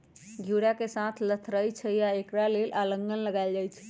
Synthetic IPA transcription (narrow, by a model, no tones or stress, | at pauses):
ɡʱuɽjakesãt̪ʰlət̪ʰɾəjt͡ʃʰɛjaekɾalelʔaləŋɡənləɡald͡ʒajt͡ʃʰɛ̥